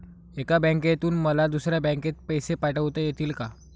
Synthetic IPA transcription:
ekabɛ̃ŋkjet̪uːnməlad̪usɾjabə̃ket̪̚pəjsepaʈəʋt̪əjet̪iːlka

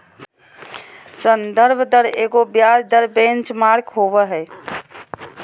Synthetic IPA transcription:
sənd̪əɾbʱd̪əɾeɡobjaɾd̪əɾbẽnt͡ʃmaɾkɦobəɦəɪ

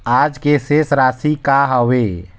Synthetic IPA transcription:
aːd͡ʒkesesɾaːsikaɦəʋe

